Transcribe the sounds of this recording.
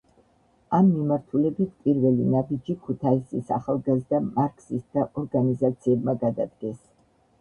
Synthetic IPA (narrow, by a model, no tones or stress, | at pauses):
amːimaɾt̪ʰulɛbit̪ʰpʼiɾvɛlinabid͡ʒikʰut̪ʰaisisaχalˠɡazd̪amaɾkʰsist̪d̪ʰaʔɔɾɡanizat̪sʰiɛbmaɡad̪ad̪ɡɛs